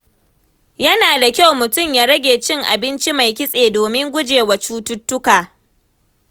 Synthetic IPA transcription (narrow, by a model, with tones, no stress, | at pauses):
jɐ˦naː˨da˨kʲa˦wmʊ˨tʊ˦˨mjaː˦ɾɐ˦ɡʲeː˨t͡ʃɪ˦ŋʔa̰˨bɪ˦nt͡ʃi˦ma˨jkʲɪ˦sʼeː˨doː˨mɪ˦ŋɡʷʊ˦d͡ʒeː˨wa˨t͡ʃuː˦tʊ˦tːʊ˦kaː˨